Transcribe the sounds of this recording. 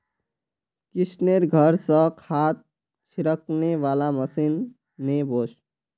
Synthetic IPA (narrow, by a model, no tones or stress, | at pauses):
kisneɾɡʱəɾsə̃kʰat̪̚ | t͡ʃʰiɾəkneʋaːlaməsinː | ebʱos